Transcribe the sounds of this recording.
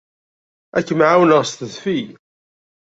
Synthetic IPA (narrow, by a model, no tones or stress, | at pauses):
ækːəmʕawnəʁst̪əðfij